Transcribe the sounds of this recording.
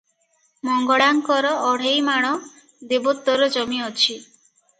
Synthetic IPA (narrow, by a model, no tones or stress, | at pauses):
mɔŋɡɔɽaŋkɔɾɔːɽ̤ejmaɽ̃ɔ | d̪ebɔt̪ːɔɾɔd͡ʒɔmiɔt͡ʃʰi